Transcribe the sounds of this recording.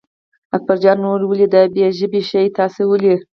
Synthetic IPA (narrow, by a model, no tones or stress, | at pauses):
ak̚baɾd͡ʒɑnnːoɾwəlid̪abjeʒəbiʃajt̪ɑsewəli